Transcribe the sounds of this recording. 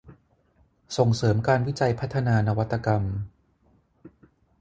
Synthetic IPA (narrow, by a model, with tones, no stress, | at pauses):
so˨˩ŋsɤː˩˦mkaː˧nwi˦˥t͡ɕa˧jpʰa˦˥t̪ʰːa˧naː˧na˧wa˦˥t̪ʰːa˧ka˧m